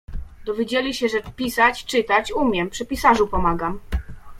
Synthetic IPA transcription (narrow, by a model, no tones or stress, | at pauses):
d̪ɔvʲjed͡ʑelʲiɕɛʐɛpʲisat͡ɕt͡ʂɘt̪at͡ɕumʲjɛmpʂɛpʲisaʐupɔmaɡam